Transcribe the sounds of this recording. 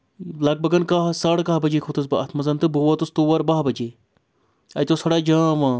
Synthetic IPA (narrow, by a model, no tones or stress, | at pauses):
lɐk̚bɐɡɐnkaɦsaːɽkaɦbɐd͡ʒeːkʰoːt̪ɐsbɐɐt̪ʰmɐzɐnt̪ɨbuʋɐt̪ust̪uːʋɐɾbaɦbɐd͡ʒeː | ɐjt̪osɐɽaːd͡ʒãːʋãː